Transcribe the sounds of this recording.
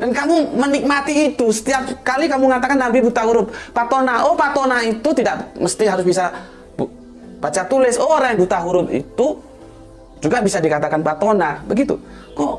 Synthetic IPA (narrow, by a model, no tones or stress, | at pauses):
dankamumənik̚mat̪iːt̪usə̥t̪iap̚kalikamuŋat̪akant̪ampibut̪aɦuɾʊp̚pat̪onaʔopat̪onait̪ut̪idaʔməst̪iɦaɾʊs̬bisa | b | bat͡ʃat̪ulɪsɔɾaŋbut̪aɦuɾʊp̚ḭt̪u | d͡ʒuɡabisadikat̪akanpat̪onabəɡit̪ṵ | kɔ